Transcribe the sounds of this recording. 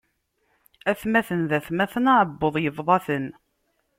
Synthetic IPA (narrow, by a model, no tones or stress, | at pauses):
æθmæθənðæθmæθənaʕəbːoðˤjəvðˤɑθən